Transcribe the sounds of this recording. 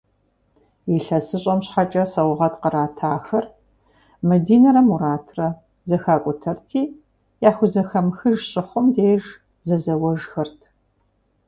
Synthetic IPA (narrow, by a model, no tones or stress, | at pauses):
iɬɐsɨɕʼɐmɕħat͡ʃʼɐsɐwʊʁɐtqəɾaːtʰaːxɐr | mɐdiːnɐɾɐmuɾaːtʰrɐ | zɐxaːkʷʼʊtʰɐrtʰiː | jaːxʷʊzɐxɐmxɨʒɕʼɪχʷʊmdeːʒ | zɐzɐwɐʒxɐrtʰ